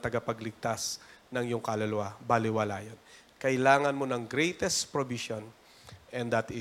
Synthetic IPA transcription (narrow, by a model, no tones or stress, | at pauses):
t̪ɐɡapɐɡlɪɡ̚t̪asnɐŋjʊŋkɐlɐlɐwabalɪwɐlaːjon | kɐʔɪlaːŋɐnmo̞nɐŋɡɾejt̪ɛst̪pɹobiʃon | ʔɛnd̪ɐt̪ɪ